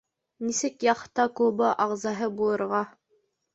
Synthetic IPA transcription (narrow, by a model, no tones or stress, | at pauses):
nisɘkjɑχt̪ɑkubɤʔɑʁzɑɦɤbulˠɤ̆ɾʁɑ